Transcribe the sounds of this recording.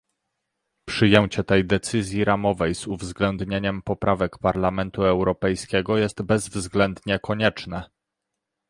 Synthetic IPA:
pʂɘjɛw̃t͡ɕɛt̪ɛjd̪ɛt̪sɘzʲjiɾamɔvɛjzuvzɡlɛnd̪ɲeɲɛmpɔpɾʔavɛkpaɾlamɛnt̪uɛwɾɔpɛjskʲɛɡɔjɛst̪bɛzvzɡlɛnd̪ɲɛkɔɲɛt͡ʂnɛ

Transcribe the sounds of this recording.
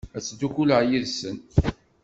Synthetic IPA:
æt͡sːd̪ukuləʁjiðsən

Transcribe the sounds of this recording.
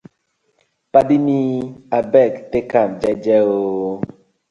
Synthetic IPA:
padimiabɛktekamd͡ʒɛd͡ʒɛo

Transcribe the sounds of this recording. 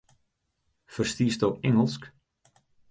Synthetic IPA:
fərstistoɛŋəlˠsk

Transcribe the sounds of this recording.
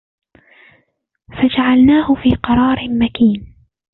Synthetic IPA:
fad͡ʒaʕalnaːhʊfiːqɑɾˤɑːɾɪmakiːn

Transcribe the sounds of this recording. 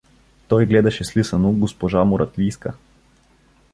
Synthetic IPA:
t̪ɔjɡlɛd̪ɐʃɛslisɐnoɡospoʒamoɾɐt̪lijska

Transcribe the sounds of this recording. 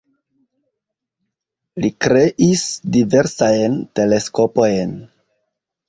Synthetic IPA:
likɾe̞ʔisdive̞ɾsajnte̞le̞sko̞po̞jn

